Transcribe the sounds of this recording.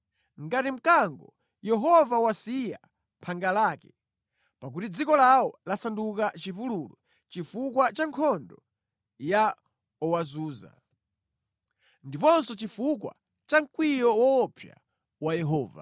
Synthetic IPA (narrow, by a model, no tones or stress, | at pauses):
ŋɡatim̩kaŋɡɔ | jɛɦɔvawasija̰ | mpʰaŋɡalaːkɛ | pak̬utid͡zikɔlawɔlasandukat͡ʃipululɔ | t͡ʃifukwat͡ʃaŋkʰɔndɔ | ja | ɔwazuːza̰ | ndipɔnsɔt͡ʃifuk̬wa̰ | t͡ʃaŋ̩kwijɔwɔːpʰja̰ | wajɛɦɔːva̰